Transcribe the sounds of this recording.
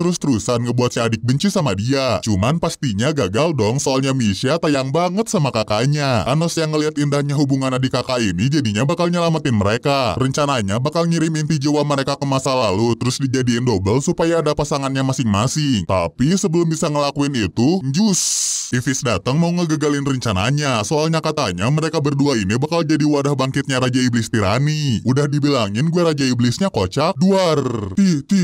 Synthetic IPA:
əɾʊst̪əɾusanŋəbuat̪̚sadɪk̚bəɲt͡ʃisamadiat͡ʃumanpast̪iɲaɡaɡaldɔŋsoalɲamisiat̪ajaŋbaŋət̪̚samakakaɲaʔanɔsjaŋːəliɦat̪indahɲaɦubuŋanadikakainid͡ʒadiɲabakalɲəlamat̪ɪnməɾekarəɲt͡ʃanaɲabakalŋiɾɪmint̪id͡ʒiwaməɾekakəmasalalut̪əɾʊsdid͡ʒadiːndobəlsupajaːdapasaŋanɲamasɪŋmasɪŋt̪a̰pisəbəlʊmbisaŋəlakuɪnit̪ud͡ʒʊst̪ifɪsdat̪əŋmauŋəɡəɡalɪnrəɲt͡ʃana̰ɲasoalɲakat̪aɲaməɾekabərduainibakald͡ʒadiwadahbaŋkɪt̪̚ɲaɾad͡ʒaiblɪst̪iɾa̰niʔudahdibilaŋɪnɡuaɾad͡ʒaiblɪsɲakot͡ʃak̚duart̪it̪i

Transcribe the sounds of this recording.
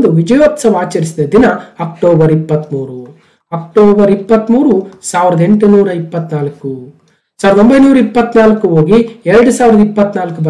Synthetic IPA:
d̪uʋid͡ʒɐjoːt̪sɐʋaːt͡ʃɐɾisid̪ɐd̪inɐɐk̚ʈoːbɐɾipːɐt̪ːmuːɾu | ɐk̚ʈoːbɐɾipːɐt̪ːmuːɾusaːʋiɾɐd̪ɐe̞ɳʈunuːɾɐipːɐt̪naːlɐkːu | saːʋɾɐd̪ombɐjnuːɾɐipːɐt̪ːnaːlɐkːuo̞ːɡiɛɾɐɽusaːʋiɾɐd̪ɐipːɐt̪ːnaːlkːubɐ

